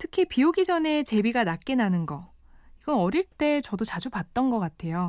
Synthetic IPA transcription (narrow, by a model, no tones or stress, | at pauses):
tʰɯ̥kʰipiuɡid͡ʑʌne̞t͡ɕe̞biɡanak͈e̞nanɯnɡʌ | iɡʌnʌɾiɭt͈e̞t͡ɕʌdot͡ɕad͡ʑupat̚t͈ʌnɡʌk͈atʰe̞jo